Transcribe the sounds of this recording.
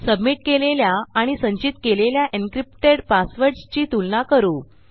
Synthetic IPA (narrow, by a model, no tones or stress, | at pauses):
səbmiʈ̚keleljaːɽ̃isəɲt͡ɕit̪keleljaʔiŋkɾipʈeɽpasʋəɾst͡ɕiːt̪ulnakəɾuː